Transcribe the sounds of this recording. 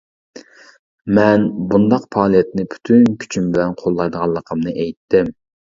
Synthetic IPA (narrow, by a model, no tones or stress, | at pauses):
mɛnbund̪ɑqpʰɑːlˠijɛt̪nɪpʰy̥t̪ʰynkʲʰy̥t͡ʃʰymbɪlɛnqʰolˠːɑjd̪əʁɑlˠːəqʰəmnɨʔejt̪ːɪm